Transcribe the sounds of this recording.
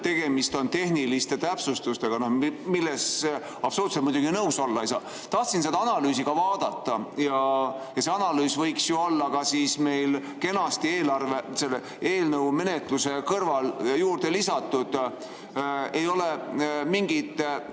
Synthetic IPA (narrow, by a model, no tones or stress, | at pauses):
t̪e̞ɡ̥e̞mist̪o̞nt̪e̞hnilist̪e̞t̪æpsust̪ust̪e̞ɡ̥ɑnohmilːes | ɑpsoluːt̪set̪mujd̪uɡ̥inɤwso̞lːɑjsɑ̰ | t̪ɑht̪sinse̞d̪̥ɑɑnɑlyːsiɡ̥ɑvɑːd̪̥ɑt̪ːˑɑjɑjɑseɑnɑlyːsvɤjksjoo̞lːɑkɑsiːsme̞jl | ke̞nɑst̪ieːlɑrve̞se̞lːe | e̞ːlnɤwme̞ne̞t̪luse̞kɤrvɑljuːrd̪̥e̞lisɑt̪ːˑud̪̥ | e̞jo̞le̞miŋɡid̪̥